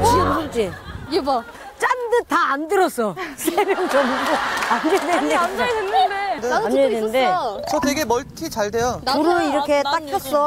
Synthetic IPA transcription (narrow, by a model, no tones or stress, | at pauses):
t͡ɕiɡɯuɾɯt͡ɕ͈i | t͡ɕ͈andɯtaːndɯɾʌs͈ʌsʰenɯnt͡ɕʌmɡoanɡedweniad͡ʑendeamɲʌidennde̞t͡ɕʌteɡe̞mʌɭtʰit͡ɕaɭde̞jouɾɯiɾʌkʰe̞t͈ak̚kʰas͈ʌ